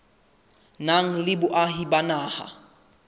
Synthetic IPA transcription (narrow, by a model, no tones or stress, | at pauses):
naŋ̩lɪbʊʔaɦibanaːha̰